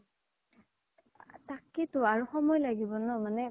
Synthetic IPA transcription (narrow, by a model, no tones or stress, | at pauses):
takːitʊaɹuxɔmɔjlaɡibɔnɔmanɛ